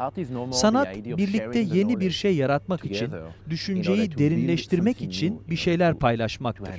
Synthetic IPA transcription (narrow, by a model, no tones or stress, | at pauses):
sanat̪biɾlʲic̚t̪ʰɛje̞nibiɾʃejːaɾat̪makit͡ʃʰind̪yʃynd͡ʒe̞jid̪e̞ɾinlʲɛʃt̪ʰiɾmɛcit͡ʃʰinbiʃe̞jlʲæɾpʰajlˠaʃmak̚t̪ʰɯ̰ɾ̥